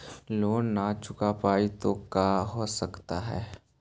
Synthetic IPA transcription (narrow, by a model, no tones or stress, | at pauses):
loːnːat͡ʃʊkapaːit̪okaːɦoːsəkt̪aɦɛ̰ː